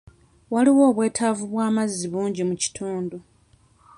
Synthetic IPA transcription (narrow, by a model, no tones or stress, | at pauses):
waliwo̞ːβwe̞ːtʰavuβwaːmazːiβuːɲɟimuci̥tʰuːndu